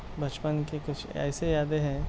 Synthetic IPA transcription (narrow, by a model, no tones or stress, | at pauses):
bɐt͡ʃpənkekʊt͡ʃʰɛ̰ːsejaːd̪eɦɛ̃ː